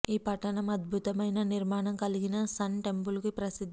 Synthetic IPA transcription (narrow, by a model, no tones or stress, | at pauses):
iːpɐʈːɐɳɐmɐd̪̚bʱut̪ɐmɐjnɐniɾmaːɳɐmkɐliɡinɐsɐnʈe̞mpulkipɾɐsid̪ʱ